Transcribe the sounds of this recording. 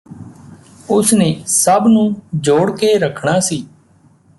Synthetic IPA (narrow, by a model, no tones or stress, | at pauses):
ʊsnẽːsəbnũːd͡ʒoːɽkeːɾəkʰɳaːsiː